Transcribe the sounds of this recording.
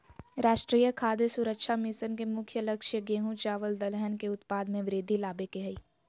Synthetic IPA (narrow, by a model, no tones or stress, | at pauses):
ɾaːʃʈɾiːjəkʰaːd̪jəsʊɾəkʃʰamɪsənkemʊkʰjəlɐkʃjəɡeːɦũt͡ʃaːʋəld̪ɐlɛɦənkeʊt̪paːd̪mẽʋɾeːd̪ʱilaːbekeɦɐiː